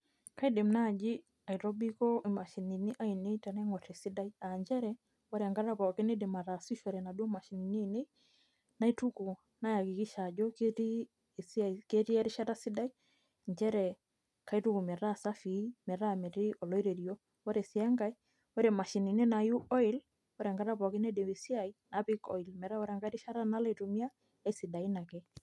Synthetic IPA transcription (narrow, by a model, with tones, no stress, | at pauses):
ka˦i˦de˨mna˦˨d͡ʒi˦ | a˨i˨ɾɔ˦bi˦kɔ˦i˨ma˨ʃi˨ni˨ni˦ʔa˦i˨ne˦jta˨na˦ŋɔ˨tɛ˨si˦da˦i˦a˨ɲd͡ʒɛ˦ɾɛ | o˦ɾe˨a˨ŋɡa˦ɾa˦pa˨ke˦ne˦dɪ˨ma˨ɾa˨si˦ʃɔ˨ɾɛ˨na˨do˦ma˨ʃi˨ni˨ni˦˨ne˦ | na˦i˦tu˦ku˨ | na˦ja˨ki˨ki˦ʃa˨d͡ʒɔ˦ke˦ti˦ | ske˦ti˦ɛ˦ɾi˦ʃa˦ta˦si˦da˦i˦ | ɲt͡ʃɛ˦ɾɛ˨ | ka˨˦i˦tu˦ku˨mɛ˨ɾa˦sa˦fi˨˦mɛ˨ɾa˦mɛ˨ɾi˦ʔɔ˨lɔ˦i˦ɾe˨ɾjo˦ | ɔ˦ɾɛ˨si˨a˦ŋɡa˦i˦ | ɔ˦ɾɛ˨ma˨ʃi˨ni˨ne˦na˨ju˦ʔɔ˦ɪ˦l | ɔ˦ɾɛ˨ŋɡa˦ɾa˦pɔ˨kɪ˦nɛ˦de˨we˨si˦a˨i˦na˨pi˦kɔ̰˨i˨lmɛ˨ɾa˦ɔ˦ɾɛ˨ŋɡa˦ɾi˦ʃa˦ɾa˦na˦la˦˨to˨mja˦ | a˨jsi˨da˨i˦na˨kɛ˦